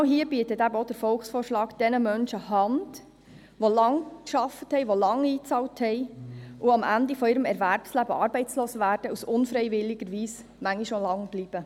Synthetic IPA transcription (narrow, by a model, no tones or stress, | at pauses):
ʊɦiːəb̥iːətətæbəod̥̪əɾfɔlxsfoːrʃlɑːɡd̥ɛnəmœnʃəhɑnd̥ | ʋolɑŋkʃɑfəthɛɪʋolɑŋiːt͡sɑːlthɛɪʔuɑmʔændifɔiːɾəmɛɾʋæɾpslæbəɑːɾbɛɪt͡sloːsəʋæːɾd̥əusʊnfɾɛɪʋɪlːɪɡ̥əɾʋiːs | mæŋiʃolɑŋb̥liːb̥ə